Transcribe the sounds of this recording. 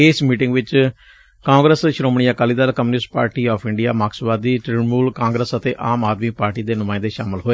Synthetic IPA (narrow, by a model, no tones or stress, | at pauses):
ɪːsmiːʈɪŋɡʋɪt͡ʃ | kãːŋɡɾəsʃɾoːmɳ̃iːaːkaːliːd̪aːlkəmːnɪsʈpa̰ːɾʈiːɔːpʰɪɳɖijaːmaːksbaːd̪iːʈɾɪmuːlkãːŋɡɾəsət̪eːʔaːmaːd̪miːpaːɾʈiːd̪eːnʊmãːɪ̃nd̪eːʃaːmɪlɦoːeː